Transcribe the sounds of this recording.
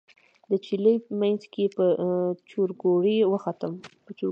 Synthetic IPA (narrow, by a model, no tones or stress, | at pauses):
d̪ət͡ʃiləjmajnzkepət͡ʃuɾɡoɽiwəxat̪əmpət͡ʃu